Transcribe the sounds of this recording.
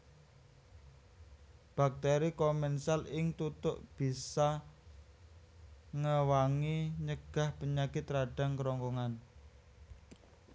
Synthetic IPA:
b̥a̤k̚t̪ɛɾikɔmɛnsalɪŋt̪ut̪ʊʔb̥i̤sa | ŋəwaŋiɲəɡ̥a̤hpəɲakɪt̪ɾaɖ̥a̤ŋkəɾɔŋkɔŋan

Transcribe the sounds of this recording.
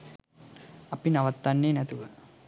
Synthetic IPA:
ɐpinaʋɐt̪ːanːeːnɛt̪uʋə

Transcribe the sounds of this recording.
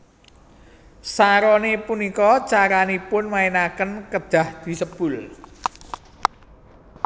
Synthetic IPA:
saɾɔnepunikɔt͡ʃaɾanipʊnmaenakənkəd̪̥ä̤hd̪̥i̤səb̥ʊl

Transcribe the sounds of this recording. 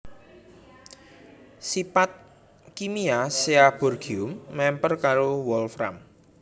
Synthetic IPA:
sipat̪̚ | kimiaseab̥ɔrɡ̥iʊmːɛmpərkaɾowɔlfɾa̰m

